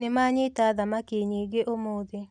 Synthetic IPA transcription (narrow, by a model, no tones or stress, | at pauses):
nemaɲɪtaðamakeɲeɡeʔomoːðe